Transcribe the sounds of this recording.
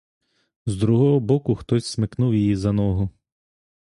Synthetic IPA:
zd̪ɾuɦɔɦɔbɔkʊxt̪ɔsʲsmɪknuwjijizɐnɔɦʊ

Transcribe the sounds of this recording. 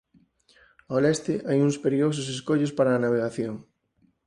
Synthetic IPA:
aolɛst̪ɪʔajuŋspeɾios̬ʊseskoʎʊspaɾɐːnaβ̞eɣaθjoŋ

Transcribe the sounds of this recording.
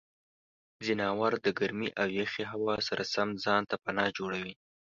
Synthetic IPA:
zɪnɑwaɾd̪əɡaɾmiʔawjexeɦawɑsaɾʔasamzɑnt̪apanɑd͡ʒoɽawi

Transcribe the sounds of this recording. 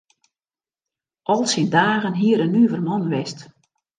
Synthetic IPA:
ʔɔlˠsindaːɣənɦiəɾənyəvərmɔnʋɛst

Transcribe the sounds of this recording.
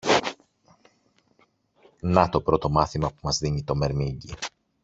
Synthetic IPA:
nɐt̪o̞pɾo̞t̪o̞mɐθimɐpumɐzðiɲit̪o̞me̞ɾmiɲɟi

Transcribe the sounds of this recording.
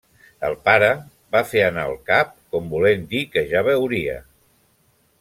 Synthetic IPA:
əlˠpaɾə | bafeənaə̰lˠkap̚kɔmbulend̪ikəʒaβ̞əwɾiə̰

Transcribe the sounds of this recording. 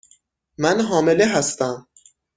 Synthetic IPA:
mænɦɒːme̞leɦæst̪æm

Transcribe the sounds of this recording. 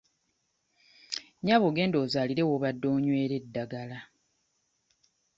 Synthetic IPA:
ɲaːβoːɡe̞ːndo̞ːzaːliɾe̞woβadːo̞ːɲwe̞ːɾe̞dːaɡala

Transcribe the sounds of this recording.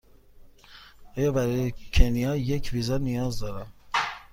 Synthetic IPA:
ɑːjɑbæɾɑjekʰenijɑjekvizɑnijɒːzd̪ɒɾæm

